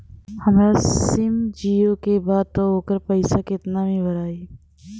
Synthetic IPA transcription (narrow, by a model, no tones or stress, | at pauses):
hɐmɾasɪmd͡ʒiːokebaːd̪̚t̪ooːkəɾpəɪsakɪt̪namẽbəɾaːi